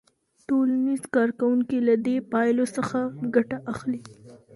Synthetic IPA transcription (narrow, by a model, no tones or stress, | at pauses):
ʈolanizkɑɾkawuŋkilad̪epɑjlosəxaɡaʈaʔaxli